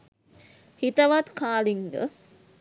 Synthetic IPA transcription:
hit̪ɐʋat̪kaːliŋɡə̰

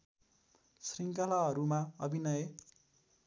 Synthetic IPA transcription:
sriŋkalaɦʌɾumaʌbʱinʌje

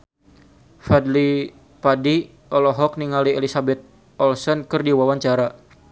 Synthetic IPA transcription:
fadli | padi | ɔlɔɦɔk̚niŋalielisabɛt̪̚ | ɔlsɔnkɨrdiwawaɲt͡ʃaɾa

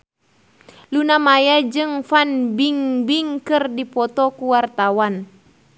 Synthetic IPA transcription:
lunamajad͡ʒɨŋfanbiŋbiŋkɨrdipɔt̪ɔkuwart̪awan

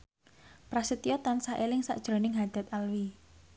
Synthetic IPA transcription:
pɾasət̪iɔt̪ansaʔelɪŋsa̰ʔd̥ʒ̥ɾo̤nɪŋɦad̪̥a̤t̪alwi

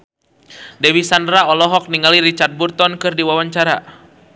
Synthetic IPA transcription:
dɛwisandɾaɔlɔɦɔk̚niŋaliɾit͡ʃard̪̚burt̪ɔnkɨrdiwawaɲt͡ʃaɾa

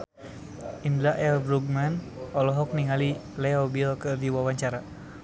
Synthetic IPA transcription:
inlaʔɛlbɾuɡ̚man | ɔlɔɦɔk̚niŋalilɛɔbiɔkədiwawaɲt͡ʃaɾa

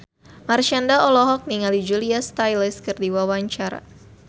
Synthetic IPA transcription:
marʃandaɔlɔɦɔk̚niŋalid͡ʒuliast̪ajlɛskɨrdiwawaɲt͡ʃaɾa̰

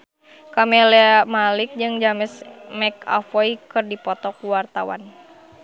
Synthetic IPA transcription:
kamɛlɛmalɪk̚d͡ʒɨŋd͡ʒamɛsmɛka̰fɔikɨrdipɔt̪ɔkuwart̪awa̰n

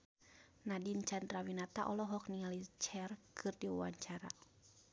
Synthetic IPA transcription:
nadint͡ʃand̪rawinat̪aʔɔlɔɦɔk̚niŋalit͡ʃɛrkʰɨrdiwṵwaɲt͡ʃaɾa̰

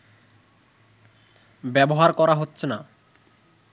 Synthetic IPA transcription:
bɛboɦaɾkɔɾaɦotːɕʰena

